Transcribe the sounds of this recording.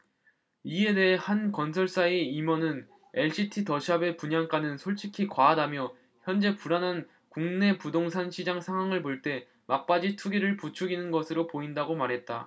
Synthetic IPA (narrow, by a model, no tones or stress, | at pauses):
ie̞de̞ɦehankʌnsʰʌɭs͈ae̞imʌnɯn | e̞ɭɕ͈ʰitʰitʌɕʰabe̞puɲaŋk͈anɯnsʰoɭt͡ɕʰikʰikwaːdamjʌ | çjʌnd͡ʑe̞puɾanɦan | kuŋne̞pudoŋs̬ʰanɕʰid͡ʑaŋsʰaŋɦwaŋɯɭpoɭt͈e̞ | mak̚p͈ad͡ʑitʰuɡiɾɯɭput͡ɕʰuɡinɯnɡʌsʰɯɾopoindaɡomaɾɦe̞t̚t͈a̰